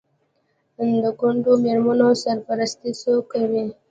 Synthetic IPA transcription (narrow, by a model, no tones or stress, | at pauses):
ənd̪əɡʊɳɖomeɾmanosaɾpaɾast̪isokːawi